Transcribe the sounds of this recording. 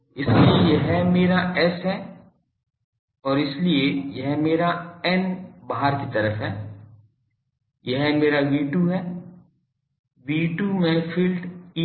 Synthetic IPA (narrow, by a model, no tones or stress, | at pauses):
ɪsliejɐɦmeːɾaɛsɦɛː | ɔːɾɪsliejɐɦmeːɾaɛnbaɦaɾkit̪ɐɾəfɦɛː | jɐɦmeːɾaʋiːʈuɦɛː | ʋiːʈumẽfʰɪlʈiː